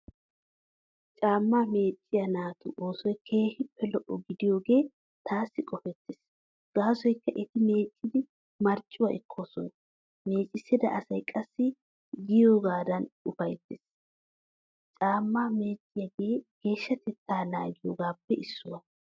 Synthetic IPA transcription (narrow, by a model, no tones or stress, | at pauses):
t͡ʃʼaːmːaːme̞ːt͡ʃʼːɪjɐnaːt̪ʊ̰ʔoːsɔjkʰeːhɪpːɛlɔʔɔɡɪd̪ɪjoːɡe̞ː | t̪aːsːɪkʼɔfɛt̪ːɪs | ɡ̥aːsɔjkːɐʔɛt̪ɪme̞ːt͡ʃʼːɪd̪ɪ | mɐɾt͡ʃʼːʊwɐʔɛkʰːoso̰ː | me̞ːt͡ʃʼːɪsːɪd̪ɐ̰ʔɐsɐjkʼɐsːɪ | ɡɪjoːɡaːd̪ɐnʊfɐjt̪ːɪs | t͡ʃʼaːmːaːme̞ːt͡ʃʼːɪjɐɡeːɡ̥e̞ːʃːɐt̪ɛt̪ːaːnaːɡɪjoːɡaːpːɛʔɪsːʊwɐ